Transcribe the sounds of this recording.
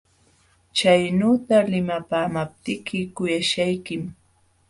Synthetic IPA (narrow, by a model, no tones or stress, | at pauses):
t͡ʃajnuːt̪alɪmapaːmap̚t̪ɪkʰɪkʊjaʃajkɪm